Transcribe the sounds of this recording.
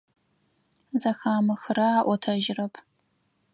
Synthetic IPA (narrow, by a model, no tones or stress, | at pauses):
zɐxaːmɨxɨɾɐaːʔʷɔtʰɐʒɪrɐpʰ